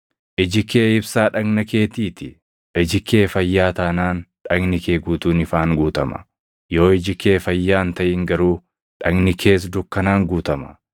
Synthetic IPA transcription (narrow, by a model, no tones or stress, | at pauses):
ʔɪd͡ʒɪkːeːɪbsaːᶑɐɡnɐke̞ːt̪iːt̪ɪ | ʔɪd͡ʒɪkʰːe̞ːfɐjːaːt̪ɐːnaːnᶑɐɡnɪkeːɡuːt̪uːnɪfaːŋɡuːt̪ɐmɐ̥̰ | joːɪd͡ʒɪkːe̞ːfɐjːaːnt̪ɐʔɪŋɡɐɾuː | ᶑɐɡnɪkʰe̞ːs̬d̪ʊkːɐnaːŋɡuːt̪ɐmɐ̥